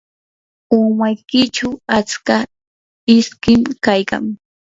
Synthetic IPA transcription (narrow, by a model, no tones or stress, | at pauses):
ʊmajkɪt͡ʃawat͡ska | ɪskɪmkajka̰ŋ